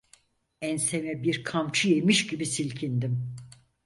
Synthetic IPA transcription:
ænsemɛbiɾkʰamt͡ʃʰɯjemiʃɟibisilʲcʰind̪im

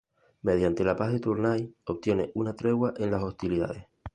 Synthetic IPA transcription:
me̞ðjant̪e̞lapaɦðet̪uɾnajo̞p̚t̪je̞neʔunat̪ɾe̞ɣwaʔẽ̞nlasost̪iliða̰ðeh

